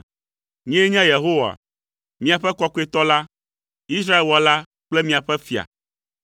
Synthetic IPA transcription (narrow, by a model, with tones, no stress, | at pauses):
ɲɛ̃˦ɲɛ̃˦je˨ɦo˦wa̰˨ | mĩ˦a˨ɸɛ˦kɔ˦ku˦e˦t̪ɔ˦la˦ | i˦s̬ɾa˦e˨lwɔ˨la˦ | k͡plɛ˦mĩ˦a˨ɸɛ˦fi˨a̰˨